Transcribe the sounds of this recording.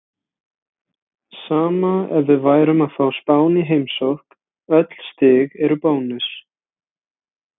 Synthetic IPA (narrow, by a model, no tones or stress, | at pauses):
saːmaɛvvɪðvaːjɾʏmaðfaːwspaːwniɦejmsowhk | œt̪l̥st̪ɪɣɛɾʏpoːwnɪs